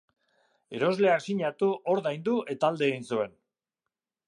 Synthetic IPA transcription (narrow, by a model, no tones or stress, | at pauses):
e̞ɾo̞zle̞aksiɲat̪uʔo̞ɾðajnd̪uʔe̞t̪aːld̪e̞ːɣinsue̞n